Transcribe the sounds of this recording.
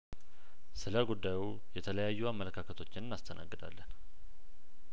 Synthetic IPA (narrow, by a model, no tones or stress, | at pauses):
sɨləɡud̪ːaju | jɛt̪ʰələjajːuamːələkʰakʰət̪ʰot͡ʃːɪnnːast̪ʰənʔa̰ɡːɨd̪a̰lːən